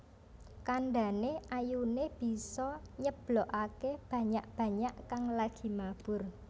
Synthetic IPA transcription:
kanɖa̤neʔajuneb̥i̤sɔɲəb̥lɔʔakeb̥ä̤ɲaʔb̥ä̤ɲaʔkaŋlaɡ̥i̤mab̥ʊ̤r

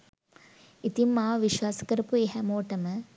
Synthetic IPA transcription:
it̪imːaːʋiʃʋaːsɐ̥kɐɾɐpueɦɛmoːʈɐmə

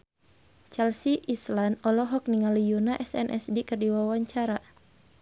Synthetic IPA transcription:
t͡ʃɛlsiʔislanɔlɔɦɔk̚niŋalijunaʔɛsɛnʔɛsdikɨrdiwawaɲt͡ʃaɾa

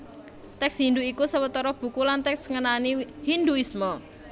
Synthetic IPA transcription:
t̪ɛksɦind̪uikusəwət̪ɔɾɔb̥ṳkulant̪ɛksŋənanihind̪uismɔ

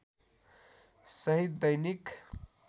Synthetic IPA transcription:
sʌɦid̪̚d̪ʌjnik

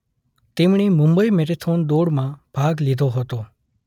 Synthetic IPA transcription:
t̪emɳimʊ̃mbəimɛʈet̪ʰond̪oɽmãb̥ʱaɡlid̪ʱoɦət̪o

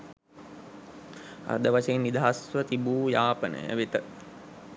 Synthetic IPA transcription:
a̰d̪əʋaseːnːid̪ʱaɦasʋət̪ibuːjaːpənə̰jæ̰ʋit̪ə

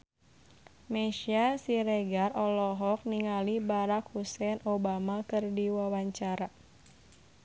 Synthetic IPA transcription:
mɛʃiasiɾɛɡarɔlɔɦɔk̚niŋalibaɾakhusɛnobamakɨrdiwawaɲt͡ʃaɾa

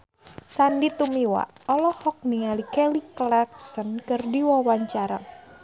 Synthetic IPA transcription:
sandit̪umiwa̰ɔlɔhɔk̚niŋalikɛliklak̚sənkɨrdiwawaɲt͡ʃaɾa̰

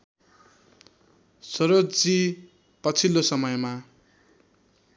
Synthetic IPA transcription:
soɾod͡zi | pʌt͡sʰilːosʌmʌjma

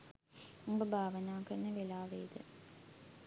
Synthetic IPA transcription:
umbəbʱaːʋənaːkəɾnːəʋelaːʋeːd̪ə̰

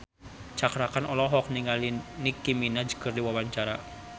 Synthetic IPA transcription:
t͡ʃakɾakanɔlɔɦɔk̚niŋalinikiminad͡ʒə̥kərdiwawaɲt͡ʃaɾa

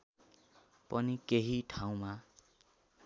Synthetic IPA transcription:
pʌnikeɦiʈʰaw̃ma

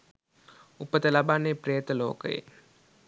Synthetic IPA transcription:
upət̪əlabanːepɾejət̪əloːkəjḛ

